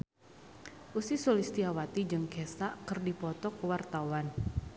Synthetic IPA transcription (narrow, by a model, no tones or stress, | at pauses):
ʔusisolist̪iawat̪id͡ʒɨŋkɛsaʔkərdipɔt̪ɔkwart̪awan